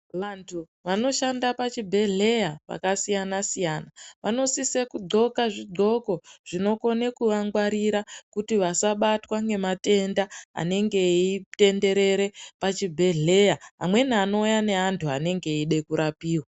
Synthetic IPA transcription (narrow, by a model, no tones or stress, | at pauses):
ʋantʰu | ʋano̞ʃandapat͡ʃibʱe̞ɮe̞jaʋa̰kasijanasijaːnaʋano̞sisekuɡ͡ǀo̞kaʐid͡zo̞ko̞ʐ̥ino̞ko̞nekuʋaŋɡwaɾiɾakutiʋasaɓatwaŋɡe̞mate̞ndaa̰ne̞ŋɡe̞ite̞nde̞ɾe̞ɾe̞pat͡ʃibʱe̞ɮe̞jaɦa̰mwe̞nano̞jane̞ɦantʰuane̞ŋɡe̞iɗe̞kuɾapiːwa